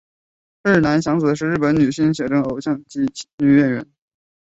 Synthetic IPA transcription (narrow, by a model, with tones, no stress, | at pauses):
na˧˥nɕjɑ˧˥ŋt͡s̩˨˩d̪ə˦ʂɻ̩˥˧ɻ̩˥˩pə˧˥nny˨˩ɕi˥˩ŋɕ̬jɛ˨˩ʈ͡ʂɤ˥ŋo˨˩ʊɕjɑ˥˧ŋt͡ɕi˥ny˨˩ɥɛ˥˩nɥɛ̰˧˥n